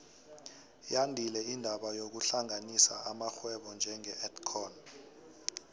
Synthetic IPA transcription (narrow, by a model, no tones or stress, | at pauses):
jandʱilɛindʱaɓajok̬uɬaŋʱanisaamaxwɛɓɔnd͡ʒʱɛŋɛɛtkʰɔn